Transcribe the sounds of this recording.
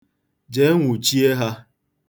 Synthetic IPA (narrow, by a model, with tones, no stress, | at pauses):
d͡ʒe˨˦ŋʷu˨t͡ʃi˦e˦ɦa˦